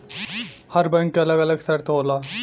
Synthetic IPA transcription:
hɐɾbə̃ŋkɐləɡɐləɡsɐɾt̪ɦoːlaː

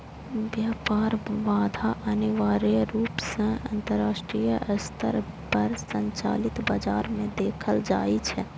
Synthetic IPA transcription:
ʋjaːpaːɾʋaːd̪ʱaʔəniʋaːɾiɾuːpsə̃ɐ̃nt̪əɾːaːʃʈɾijəəst̪ʰə̰ɾ | pəɾsə̃ɲt͡ʃa̰ːlɪt̪bəd͡ʒaːɾmẽd̪eːkʰəld͡ʒa̰ːit͡ʃʰɛ

